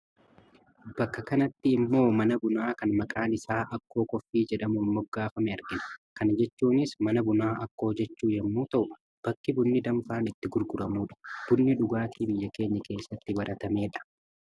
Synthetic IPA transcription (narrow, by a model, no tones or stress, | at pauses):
b̥ɐkːɐkɐnɐt̪ːɪːmːo̞ːmɐnɐbʊnaːkɐnmɐkʼaːnɪsaːʔɐkːo̞ːkɔfːiːd͡ʒɛᶑɐmuːnmɔɡːaːfɐmɛɐɾɡɪnɐ̥kɐnɐd͡ʒɛt͡ʃːuːnɪsmɐnɐbʊnaːʔɐkːo̞ːd͡ʒɛt͡ʃːuːjɛmːuːt̪ɐʔʊ | b̥ɐkːɪbʊnːɪd̪ɐɱfaːnɪt̪ːɪɡʊɾɡʊɾɐmuːᶑɐ̥b̥ʊnːɪᶑʊɡaːt̪iːbɪjːɐke̞ːɲːɐke̞ːsːɐt̪ːɪbɐɾʔɐt̪ɐme̞ːᶑɐ̥